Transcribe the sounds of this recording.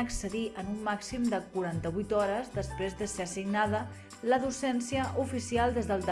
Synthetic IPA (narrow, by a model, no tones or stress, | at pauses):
əksəðiʔənumːaksimd̪əkuɾant̪əβujt̪ɔɾəzd̪əspɾezðəseəsiɡnaðə | ləðusɛnsiəʔufisialˠd̪ezðəlˠd̪